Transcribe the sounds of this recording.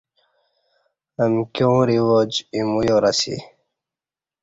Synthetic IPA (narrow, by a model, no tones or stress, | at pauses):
əmkjõːɾiwod͡ʑimujoɾasḭ